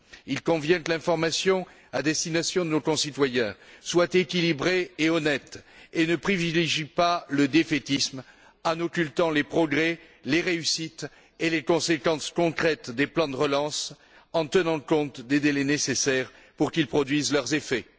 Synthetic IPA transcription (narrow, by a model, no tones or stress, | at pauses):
ilkɔ̃vjɛ̃kəlɛ̃fɔʁmasjɔ̃ | ad̪ɛst̪inasjɔ̃d̪ənokɔ̃sit̪wajɛ̃swat̪ekʲilibʁeːɔnɛt̪enəpχivileʒipaləd̪efet̪ism | ɑ̃nɔkʲylt̪ɑ̃lepχɔɡʁɛ | leʁeysit̪ | elekɔ̃sekɑ̃skɔ̃kχɛt̪d̪eplɑ̃d̪əʁəlɑ̃s | ɑ̃t̪ənɑ̃kɔ̃t̪d̪ed̪elenesesɛʁ | puʁkilpχɔd̪ɥizlœʁzefɛ